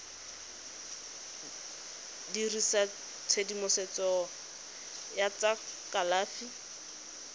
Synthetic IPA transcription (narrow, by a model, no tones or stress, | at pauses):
dirisa | t͡sʰedimʊsɛt͡sɔ | jat͡sakalaːfi